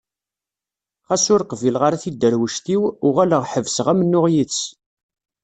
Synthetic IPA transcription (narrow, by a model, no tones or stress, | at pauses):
χæsʊɾqvilʁəɾæθid̪ːəɾwəʃt̪iwʊʁæləʁħəvsʁæmənːʊʁjit͡sː